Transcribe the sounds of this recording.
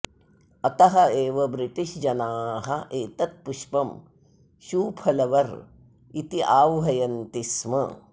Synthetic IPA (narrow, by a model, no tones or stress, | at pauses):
ɐt̪ɐɦɐeːʋɐbɾiʈiʃd͡ʒɐnaːɦɐʔeːt̪ɐt̪̚puʃpɐm | ʃuːpʰɐlɐʋɐɾ | it̪iʔaːʋɦɐjɐnt̪ismɐ̰